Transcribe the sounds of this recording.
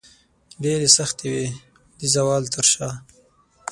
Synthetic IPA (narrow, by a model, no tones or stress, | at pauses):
ɖeɾesaxt̪ewe | d̪izawɑːlt̪əɾʃɑː